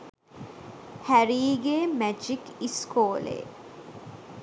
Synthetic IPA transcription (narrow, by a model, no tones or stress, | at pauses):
hæɾiːɡeːmæd͡ʒikiskoːlḛː